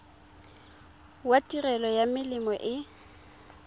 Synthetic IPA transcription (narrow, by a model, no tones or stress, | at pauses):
watʼirɛlɔjamɪlɪmɔʔɪ